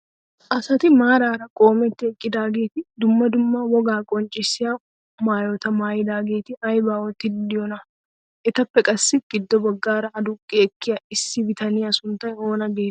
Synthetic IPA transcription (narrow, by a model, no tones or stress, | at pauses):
ʔɐsɐt̪ɪmaːɾaːɾɐkʼo̞ːmɛt̪ːɪɛkʼːɪd̪aːɡe̞ːt̪ɪd̪ʊmːɐd̪ʊmːaːwɔɡaːkʼɔnt͡ʃʼɪsɪja | maːjot̪ɐmaːjɪd̪aːɡe̞ːt̪ɪɐjbaːwɔt̪ːɪd̪ɪjɔnɐ | ʔɛt̪ɐpːɛkʼɐsːɪɡɪd̪ːɔbɐɡːaːɾɐːd̪ʊkʼːɪɛkːɪjɐɪsːɪbɪt̪ɐnɪjɐsʊnt̪ːɐjoːnɐɡeː